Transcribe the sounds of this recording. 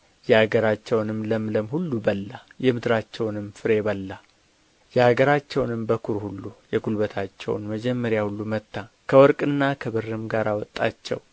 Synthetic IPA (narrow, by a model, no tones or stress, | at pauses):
jɛhaɡəɾat͡ʃːɛwnɨmləmləmhulːubəlːajɛmɨd̪ɾat͡ʃːɛwnɨmfɨɾe̞bəlːa | jɛhaɡəɾat͡ʃːɛwnɨmbəkʰuɾhulːujɛɡulbət̪ʰat͡ʃːɛ̰w̰nməd͡ʒɛmːəɾjahulːumət̪ːa | kʰəwɔɾkʼɨnːakʰəβɨrːɨmɡaɾawɔt̪ʼːa̰t͡ʃːɛ̰w